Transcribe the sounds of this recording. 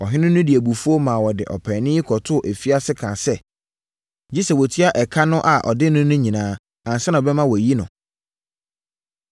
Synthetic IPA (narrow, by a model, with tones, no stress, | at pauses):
ɔ˨ɦɪ̃˦nʊ̃˦nʊ̃˦di˨æ˨bu˨fu˦o˦mã˨wɔ˨dɪ˨ʔɔ̰˨pʰɛ̃˨nɪ̃˦ɪ˦kʰɔ˨tʰʊ˦˨ʔæ˨fi˦a˦sɪ˦kʰãː˨sɛ˦ | d͡ʑi˦sɛ˨wɔ˨tʰi˦a˦ʔɛ˨kʰa˦nʊ̃˦ʔa˨ʔɔ̰˨dɪ˦nʊ̃˦nʊ̃˦ɲĩ˨nãː˨˦ | ã˨n˨sɛ˦nã˨ɔ˨bɛ˦mã˦wɔ˨ji˦nʊ̃˨